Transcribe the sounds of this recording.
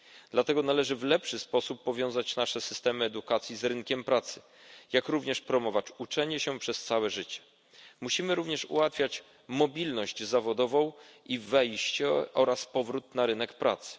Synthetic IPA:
d̪̥lat̪ɛɡɔnalɛʐɘvlɛpʂɘspɔsupːɔvʲjɔ̃w̃zat͡ɕnaʂɛsɘ̥st̪ɛmɘɛd̪ukat̪sʲjizɾɘŋkʲɛmpɾat̪sɘ̥ | jakɾuvɲɛʂpɾɔmɔvat͡ɕut͡ʂɛɲɛɕɛpʂɛst̪sawɛʐɘt͡ɕɛ̥ | muɕimɘɾuvɲɛʂṵwat̪fʲjat͡ɕ | mɔbʲilnɔʑd͡ʑzavɔd̪ɔvɔ̃w̃ivɛjɕt͡ɕɛɔɾaspɔvɾut̪naɾɘnɛkpɾa̰t̪sɘ̥

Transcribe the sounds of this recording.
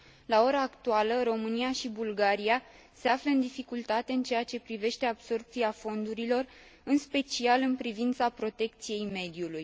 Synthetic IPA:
lao̞ɾaːkt̪ualəɾo̞mɨnijaʃibulɡaɾia | se̞afləɨnd̪ifikult̪at̪e̞ɨnt͡ʃe̞jat͡ʃe̞pɾive̞ʃt̪e̞abso̞rp̚t̪siafo̞nd̪uɾilo̞r | ɨnspe̞t͡ʃialɨnpɾivint̪sapɾo̞t̪e̞k̚t̪sije̞jme̞d̪iuluj

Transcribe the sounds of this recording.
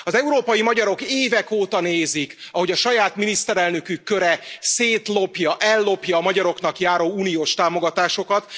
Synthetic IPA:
ɒzɛuɾoːpɒjimɒɟɒɾo̞keːvɛkoːt̪ɒneːzikɒɦo̞ɟɒʃɒjaːt̪minist̪ɛɾɛlnø̞kykːø̞ɾɛseːt̪lo̞pjɒʔɛlːo̞pjɒːmɒɟɒɾo̞knɒkjaːɾoːuːnijoːʃt̪aːmo̞ɡɒt̪aːʃo̞kɒt̪

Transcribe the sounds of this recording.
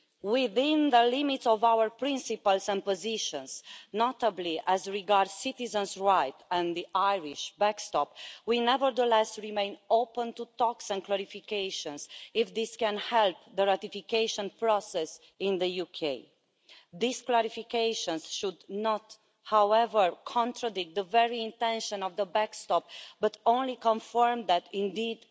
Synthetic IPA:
wiðĩnðəlimit̪sɔvawəɹpɹĩnsipalsɛ̃n̚poziʃɔ̃nsnot̪əbliʔæzɹiɡaɹdz̥sit̪izə̃nsɹajt̪ɛ̃nd̪iʔajɹiʃbækst̪ɔpwinɛvəɹd̪əlɛsɹimẽɪ̃nopə̃nt̪ut̪ɔksɛ̃nklɛɹifikeɪʃɔ̃nsɪfðiskɛ̃nhɛlp̚ðəɹat̪ifikeɪʃə̃npɹɔsɛs | ɪ̃nðəjukʰeɪ | ðisklɛɹifikeɪʃɔ̃nsʃud̪nɔt̪ | hawɛvəɹkʰɔ̃ntɹadɪk̚t̪̚d̪əvɛɹiɪ̃nt̪ɛ̃nʃə̃nɔvðəbækst̪ɔp̚bʌt̪õʊ̃nlikɔ̃nfəɹmd̪ætĩnd̪id̪

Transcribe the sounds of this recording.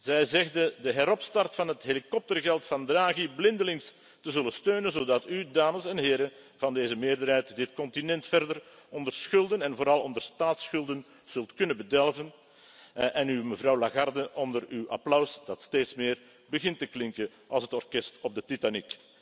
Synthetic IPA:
z̥ɛjzɛɣdədəɦɛɾɔpstɑrtfɑnɦətɦelikɔp̚tərɣɛlˠtfɑndraːɣiblɪndəlɪŋs | təzɵləstøːnənzoːdɑtydaːməsɛnɦeːɾə | vɑndeːzəmɪːrdərɦɛjtdɪtkɔntinɛntfɛrdərɔndərsxɵlˠdənɛnvoːɾɑlˠɔndərstaːtsxɵlˠdən | z̥ɵlˠtkɵnənbədɛlvən | ʔɛnyməvrɑwlaɣɑrdəʔɔndəɾywʔɑ̰plœwsd̥ɑtsteːtsmɪːr | bəɣɪntəklɪŋkə | ʔɑ̰lˠsɦətɔrkɛstɔb̚dətitanik

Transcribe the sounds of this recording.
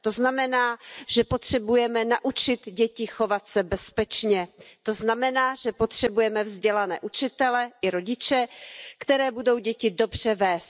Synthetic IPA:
t̪o̞znamɛnaːʒ̥ɛpo̞t̪r̝̥ɛbujɛmɛnaʔut͡ʃɪt̪ɟɛcɪxo̞vat̪sɛbɛspɛt͡ʃɲɛt̪o̞znamɛnaːʒɛpo̞t̪r̝̥ɛbujɛmɛvzɟɛlanɛ̰ːʔut͡ʃɪt̪ɛlɛʔɪɾo̞ɟɪt͡ʃɛkt̪ɛɾɛːbudo̞wɟɛcɪdo̞br̝̥ɛvɛːst̪̚

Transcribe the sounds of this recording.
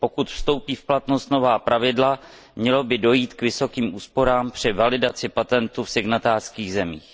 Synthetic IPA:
po̞kut̪fst̪o̞wpiːfplat̪no̞st̪no̞vaːpɾʔavɪdla | mɲɛlo̞bɪdo̞jiːt̪kvɪso̞kiːmʔuːspo̞ɾaːmpr̝̥ɪvalɪdat͡sɪpat̪ɛnt̪ufsɪɡnat̪aːr̥skiːɣzɛmiːx

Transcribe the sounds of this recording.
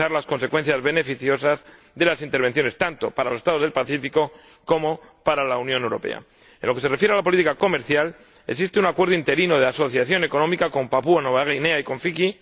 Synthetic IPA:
aɾlasko̞nse̞kwe̞n̟θjazβe̞ne̞fiθjo̞saz | ðelasint̪eɾβ̞e̞n̟θjone̞st̪ant̪o̞paɾalose̞st̪aðoðelpaθifiko̞ | ko̞mo̞ | paɾalaunjõne̞wɾo̞̰pe̞̰a̰ | ẽ̞̰nloke̞se̞re̞fjeɾalapolit̪ikako̞me̞ɾθjal | e̞ks̬ist̪eunakwe̞ɾðoint̪e̞ɾinoð̞easo̞θjaθjo̞ne̞ko̞nõ̞mikako̞mpapuanoβaɣeneaiko̞ɱfiki

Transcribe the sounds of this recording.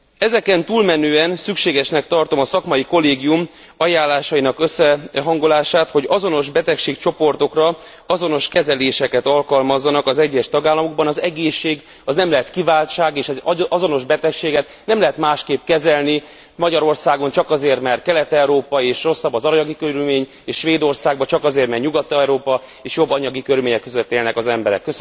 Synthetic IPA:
ɛzɛkɛnt̪uːlmɛnøːɛnsykʃeːɡɛʃnɛk̚t̪ɒrt̪omɒsɒkmɒjiko̞lːeːɡijum | ɒjaːlːaːʃɒjinɒkøsːɛɦɒŋɡo̞laːʃaːt̪ho̞ɟɒzo̞no̞ʒbɛt̪ɛkʃeːkt͡ʃo̞po̞rt̪o̞krɒ | ɒzo̞no̞ʃkɛzɛleːʃɛkɛt̪ɒlkɒlmɒzːɒnɒkɒzɛɟːɛʃt̪ɒɡaːlːɒmo̞ɡ̚bɒnɒzɛɡeːʃːeːɡ | ɒznɛmlɛɦɛt̪kivaːlt͡ʃaːɡeːʃɛɒzo̞no̞ʒbɛt̪ɛkʃeːɡɛt̪nɛmlɛɦɛt̪maːʃkeːpkɛzɛlni | mɒɟɒɾo̞rsaːɡo̞nt͡ʃɒkɒzeːrt̪mɛrt̪̚kɛlɛt̪ɛwɾoːpɒeːʃro̞sːɒbːɒzɒɾɲɒɡikøɾylmeːɲ | eːʃʃʋeːd̪o̞rsaːɡ̚bɒt͡ʃɒkɒzeːrt̪mɛrɲuɡɒt̪ːɛwɾoːpɒ | eːʃjo̞bːɒɲɒɡikøɾylmeːɲɛkːøzøt̪ːeːlnɛkɒzɛmbɛɾɛ̰kːøs

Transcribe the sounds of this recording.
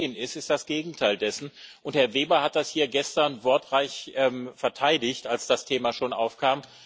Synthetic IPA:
ənɪstɪstd̥asɡ̥eːɡŋ̩tʰaɪldɛsn̩ʔʊnthɛɐveːbɐhat̚d̥ashiːɐɡɛstɐɐnvɔɐtʁaɪçʔɛmfɛɐtʰaɪdɪçtalsd̥astʰeːmaːʃoːnʔaʊfkʰaːm

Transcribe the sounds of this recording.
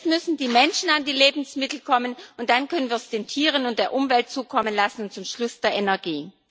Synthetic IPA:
tmʏsn̩diːmɛnʃn̩andiːleːbm̩smɪtl̩kʰɔmənʊnt̚d̥ankʰœnənviːɐɛsd̥eːntʰiːʁ̞ənʊnt̚d̥eːɐʔʊmvɛlt̚t͡suːkʰɔmənlasn̩ʊntt͡sʊmʃlʊsd̥eːɐʔenɛɐɡiː

